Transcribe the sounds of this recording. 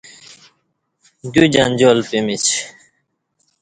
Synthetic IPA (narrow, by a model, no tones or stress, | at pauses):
ɡud͡ʑɐnd͡ʑoːlpimit͡ɕ